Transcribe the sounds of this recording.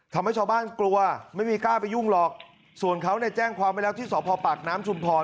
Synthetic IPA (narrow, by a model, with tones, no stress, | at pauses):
t̪ʰa˧mha˥˩jt͡ɕʰa˧wbaː˥˩nklu˧ɐma˥˩jmiː˧kaː˥˩pa˧jːu˥˩ŋlɔː˨˩k̚ | su˨˩ənkʰa˦˥wnɛ˥˩t͡ɕɛː˥˩ŋkʰwaː˧mːa˥˩lɛː˦˥wt̪ʰiː˥˩sɔː˩˦pʰɔː˧paː˨˩k̚naː˦˥mt͡ɕʰu˧mpʰɔː˧